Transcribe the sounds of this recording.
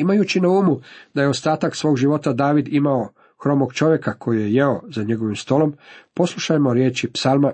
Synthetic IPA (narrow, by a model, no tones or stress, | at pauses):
imajuːt͡ɕinauːmud̪ajeo̞st̪aːt̪aksʋoːɡʒiʋo̞t̪ad̪aːʋid̪imao | xɾo̞moɡt͡ʃo̞ʋje̞kakʰo̞jije̞jeo̞zaɲe̞ɡo̞ʋimst̪o̞lo̞mpo̞slˠuʃajmo̞ɾje̞ːt͡ʃipsalˠma